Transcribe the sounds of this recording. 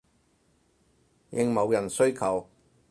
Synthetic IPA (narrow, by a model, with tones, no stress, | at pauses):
jɪ˨˧ŋmɐ˨˧wjɐ˨˩nsɵ˥ɥkʰɐ˨˩w